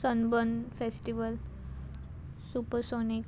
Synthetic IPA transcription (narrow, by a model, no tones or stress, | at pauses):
sənbənfesʈiʋəl | supəɾsonik